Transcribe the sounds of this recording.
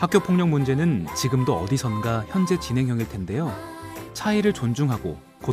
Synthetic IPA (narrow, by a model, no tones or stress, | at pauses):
hak͈jopʰoŋɲʌŋmund͡ʑe̞nɯnt͡ɕiɡɯmdoʌdisʰʌnɡaçjʌnd͡ʑe̞t͡ɕinɦe̞ŋɦjʌŋiɭtʰe̞nde̞jot͡ɕʰaiɾɯɭt͡ɕond͡ʑuŋɦaɡo̰ | ko